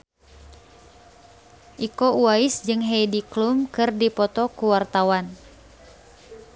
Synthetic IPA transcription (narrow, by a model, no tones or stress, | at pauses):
ʔikouaisd͡ʒɨŋɦejdiklumkɨrdipɔt̪ɔkuwart̪awan